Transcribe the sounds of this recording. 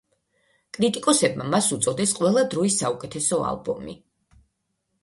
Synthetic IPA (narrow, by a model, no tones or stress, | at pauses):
kʼɾit̪ʼikʼɔsɛbmamasut̪sʼɔd̪ɛsqʼwɛlˠad̪ɾɔisːaukʼɛt̪ʰɛsɔa̰lˠbɔ̰mḭ